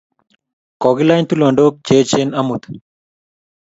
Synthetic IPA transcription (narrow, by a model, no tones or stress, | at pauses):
kɔɡilaːjnt̪ulɔɳɖoːk̚t͡ɕeːt͡ʃenɐmut̪